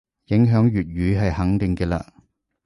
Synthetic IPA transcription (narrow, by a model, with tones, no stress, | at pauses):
jɪ˨˥ŋɦœː˨˥ŋjyː˨t̚ɥyː˨˥ɦɐ˨jhɐ˨˥ŋt̪ɪ˨ŋkɛː˧la̰ː˧